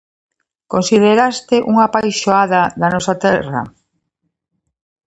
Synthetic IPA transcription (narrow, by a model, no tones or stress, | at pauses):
konsið̞eɾast̪ɪʔuŋapajsʃoaðɐðɐnɔsat̪ɛrɐ̰